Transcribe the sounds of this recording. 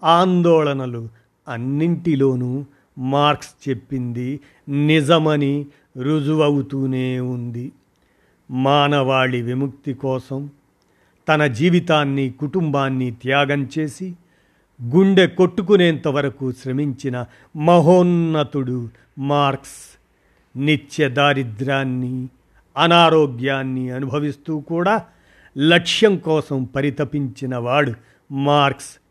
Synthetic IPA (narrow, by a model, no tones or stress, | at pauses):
aːnd̪ɔːɭɐnɐlu | ɐnːiɳʈilo̞ːnu | maːɾkst͡ʃe̞pːind̪i | nid͡ʒɐmɐni | ɾud͡ʒuʋɐwut̪uːneːund̪i | maːnɐʋaːɭiʋimuk̚t̪ikɔːsɐm | t̪ɐnɐd͡ʒiːʋit̪aːnːikuʈumbaːnːit̪jaːɡɐmt͡ʃe̞ːsi | ɡuɳɖe̞koʈːuk̬uneːnt̪ɐʋɐɾɐkuʃɾɐmiɲt͡ʃinɐ | mɐɦoːnːɐt̪uɽu | maːɾks | nit͡ʃjɐd̪aːɾid̪ɾaːnːi | ɐnaːɾoːɡjaːnːiɐnubʱɐʋist̪uːkuːɽaː | lɐkʂjɐŋkɔːsɐmpɐɾit̪ɐpiɲt͡ʃinɐʋaːɭu | maːɾks